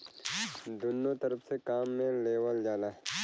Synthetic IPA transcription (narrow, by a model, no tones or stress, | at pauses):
d̪ʊnːot̪ɐɾəpsekaːmːẽleːwəld͡ʒaːlaɦɛ